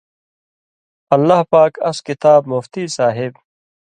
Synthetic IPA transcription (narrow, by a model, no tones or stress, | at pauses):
ɐlːahpaːkɐskɪt̪aːbmʊft̪iːsaːɦɪb